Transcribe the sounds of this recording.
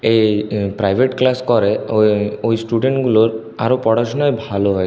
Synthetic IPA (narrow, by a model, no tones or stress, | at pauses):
ejpɾajbʱeʈklaskɔɾe | ojsʈuɖeɳʈɡuloɾ | a̰ɾopɾɔɽasɔnɔjbʱaloɦɔj